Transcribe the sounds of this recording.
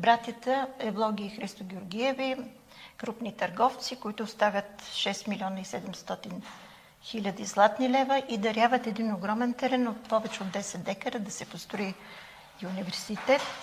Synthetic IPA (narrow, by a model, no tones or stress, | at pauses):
bɾat̪ʲjət̪əɛblˠɔɡʲiixɾist̪oɡʲiʊɾɡiɛvi | kɾupnit̪ɐɾɡɔft̪sikoit̪ʊːst̪avʲət̪ʃɛst̪milʲiɔnəisɛd̪ɛmst̪ɔt̪in | xilʲəd̪izlˠat̪nilɛvəʔid̪ɐɾjabvət̪ɛd̪inoɡɾɔmɛnt̪ɛɾɛnot̪pɔvɛt͡ʃɛod̪ːɛsɛt̪d̪ɛkəɾəd̪ɐsɛpost̪ɾoi | ʊnivɛɾsit̪ɛt̪